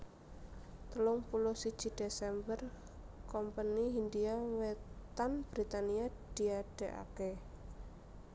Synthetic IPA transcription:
t̪əlʊŋpulʊsid̥ʒ̥i̤d̪̥esɛmbər | kɔmpaniɦind̪iawet̪anb̥ɾit̪aniad̥iaɖ̥e̤ʔa̰ke

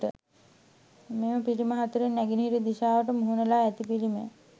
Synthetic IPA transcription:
ʈə̰ | meːməpiliməɦat̪uɾenːæɡinɦiɾid̪iʃaːʋəʈəmuɦunəlaːæt̪ipilimḛ

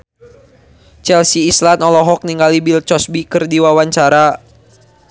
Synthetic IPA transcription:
t͡ʃɛlsiːslanɔlɔɦɔk̚niŋɡalibilt͡ʃɔsbikɨrdiwawaɲt͡ʃaɾa

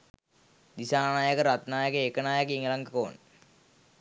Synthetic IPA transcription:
d̪isaːnaːjɐkɐɾɐt̪naːjɐkɐekːɐnaːjɐkiŋɐlɐŋɡɐkoːn

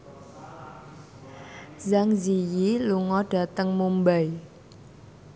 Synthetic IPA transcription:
zaŋzijiluŋɔɖ̥a̤t̪əŋmumbaj

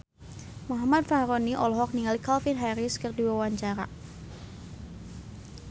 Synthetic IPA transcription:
maɦmad̚fahɾoniʔɔlɔɦɔk̚niŋalikalfinɦaɾɪskərdiwawaɲt͡ʃaɾa

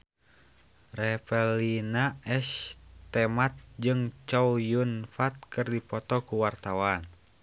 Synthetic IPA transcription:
rɛpɛlinaɛst̪ɛmat̪̚d͡ʒɨŋt͡ʃɔwjunfat̪̚kɨrdipɔt̪ɔkuwart̪awan

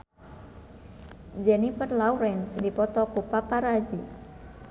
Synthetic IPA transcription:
d͡ʒɛnifərlauɾɛnsdipɔt̪ɔkupapaɾazi

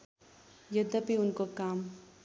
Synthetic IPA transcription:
jɐd̪ɐpiʊnkokaːm

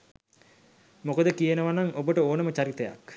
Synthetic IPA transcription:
mokəd̪əkijənəʋanaŋobəʈəoːnəmət͡ʃaɾit̪əja̰k

